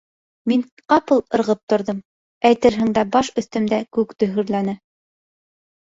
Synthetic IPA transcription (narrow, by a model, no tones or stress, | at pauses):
miɴ | qɑpɤlˠɤ̆ɾʁɤp̚t̪ŏɾðɤm | æjt̪ɘɾɦɘ̆ŋd̪æbɑʃɵ̆θt̪ɵ̆md̪ækʉkt̪ɵ̆ɦɵ̆ɾlænɘ